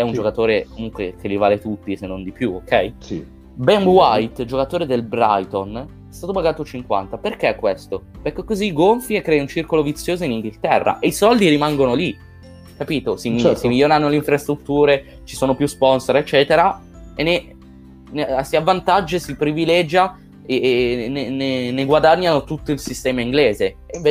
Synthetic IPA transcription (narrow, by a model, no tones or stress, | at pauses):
ɛund͡ʒokat̪oːɾekomuŋkwḛk̟elːivaːlet̪ut̪ːisenːond̪ipjuokːɛjsi | bɛmbwajt̪d͡ʒokat̪oːɾed̪elbɾa̰jt̪on | ɛst̪aːt̪obaɡaːt̪ot͡ʃiŋkwa̰nt̪aperk̟ekːwest̪operkːekːoziɡoɱfiekːɾɛːjiunt͡ʃirkolovit̪sːjoːzoiniŋɡilt̪ɛrːa̰ʔeisɔld̪iɾimaŋɡonoli | kːapiːt̪osimit͡ʃsimiljoːnanːoleiɱfɾast̪ɾut̪ːuːɾe | t͡ʃi̥soːnopjuspɔnsoɾet͡ʃːɛːt̪eɾa | enːe | nsiavːant̪ad͡ʒːesipɾivilɛd͡ʒja | eneneneɡwad̪aɲːanot̪ut̪ːoilsist̪ɛːmaiŋɡleːzeeɱve